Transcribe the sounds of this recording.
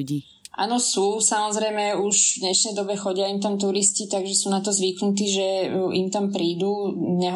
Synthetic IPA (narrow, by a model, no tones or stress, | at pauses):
ʔa̰ːnɔsuːsamɔzɾɛjmɛuʒvd̪ɲɛʃnɛjd̪ɔbɛxɔɟɪaimt̪amt̪̬uɾiscit̪aɡʒɛsuːnat̪ɔzʋiknut̪iːʒɛimt̪ampɾiːd̪uːɲɛ